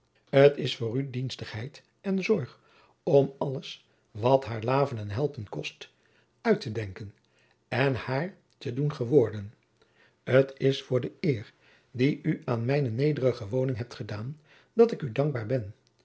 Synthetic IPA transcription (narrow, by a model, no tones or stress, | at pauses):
ətɪsfʊːrydinstəχɦɛjt | ɛnzɔɹχ | ɔmɑləs | ʋɑtɦaːɹlaːvənɛnɦɛlˠpənkɔst | œɥtədɛŋkən | ɛnhaːɹ | tədunχəʋʊːɹdən | ətɪsfʊːɹdəɪːr | diyaːnmɛjnənejdərəχəʋownɪŋɦɛp̚tχədaːn | dɑtɪkydɑŋɡ̚baːɹbɛn